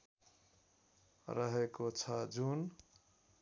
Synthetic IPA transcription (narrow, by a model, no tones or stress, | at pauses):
ɾʌɦekot͡sʰʌd͡ʒun